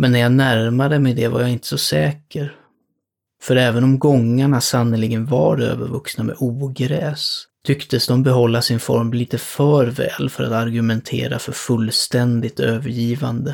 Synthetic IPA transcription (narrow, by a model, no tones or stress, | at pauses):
mɛnːæɾjanæɾmad̪əmɛjd̪ɛva̰ɾjaɪnt̪ə̥sɔsɛːkʰəɾ | fœɾɛːvənɔmɡɔŋːaɳasanːəlɪɡənva̰ɾø̰ːvə̰ɾvɵksnamɛ̰ʔuːɡɾɛːst̪ʰʏkt̪əsd̪ɔmbɛɦɔlːasɪnfɔ̰ɾmliːt̪əfœːɾvɛ̰ːlfœɾa̰t̪aɾɡɵmɛnt̪ʰḛːɾafœɾfɵlːst̪ɛnd̪ɪt̪øːvəɾjiːva̰nd̪ə